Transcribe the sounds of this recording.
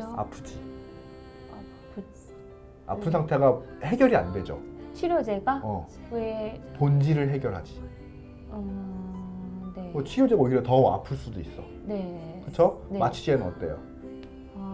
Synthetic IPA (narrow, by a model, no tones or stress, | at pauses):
a̰pʰɯd͡ʑi | a̰ppʰɯnsʰaŋtʰe̞ɡahe̞ɡjʌɾia̰nde̞d͡ʑo̰t͡ɕʰiɾjod͡ʑeɡaʌ | epond͡ʑiɾɯɭɦe̞ɡjʌɾɦad͡ʑi | ʌ | nemʌt͡ɕʰiɾjod͡ʑeɡaoɡiɾjetʌa̰pʰɯɭs͈udois͈ʌ̰ | nekɯt͡ɕʰonemat͡ɕʰi̥ɕʰienʌt̚t͈e̞̰jo̰